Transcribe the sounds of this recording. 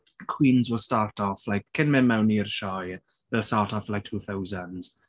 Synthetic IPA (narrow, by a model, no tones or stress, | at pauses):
kʰw̥iːnzwɪlˠstaːɹtʰɔflajkʰːɪnmɛnmawniəɾʃaj | wɛlˠstaːtʰɔflaɪk̚tʰuːθawzənz̥